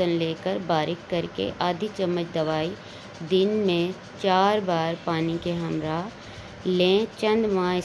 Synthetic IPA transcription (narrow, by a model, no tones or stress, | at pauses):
ənleːkəɾbaːɾɪkːɐɾkḛʔaːd̪ʱit͡ʃəmːət͡ʃd̪ɐʋaːi | d̪ɪnmẽ | t͡ʃaːɾbaːɾpaːnikeɦɐmɾaː | lẽːt͡ʃə̃nd̪ʋããɪ